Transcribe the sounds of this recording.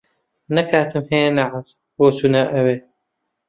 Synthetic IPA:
nɐkʰaːt̪ɨmheːnaʕaz | boːsunaːʔɐweː

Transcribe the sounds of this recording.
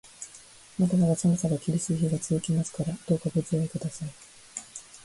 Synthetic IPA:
mat̪amaβasanosaɡakʲiɾʲisɨçiɡat͡sɨzɨkʲimasɨ̥kaɾad̪̥o̞ːkabɯ̟t͡sɨjaikɯ̟d̪asai

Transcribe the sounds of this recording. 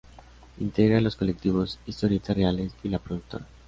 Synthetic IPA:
int̪eɣɾalo̞sko̞lek̚t̪iβo̞sist̪oɾjet̪arealesilapɾoðuk̚t̪o̞ɾa

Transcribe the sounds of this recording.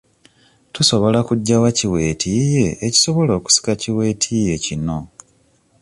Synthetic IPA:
tuso̞βo̞lakuɟːawaciwe̞ːtʰije̞ːci̥so̞βo̞lo̞ːku̥si̥kaciwe̞ːtʰiːje̞cino̞

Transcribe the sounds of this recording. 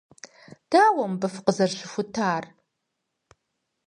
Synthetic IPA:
d̥aːwɐmbɐfqəzɐrɕɪfʷʊtʰaːr

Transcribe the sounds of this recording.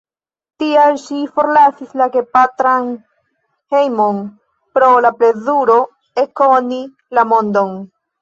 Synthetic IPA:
tialʃifo̞ɾlasislaɡepatɾan | hejmo̞n | pɾo̞laple̞zuɾo̞ | eko̞ni | lamo̞ndo̞n

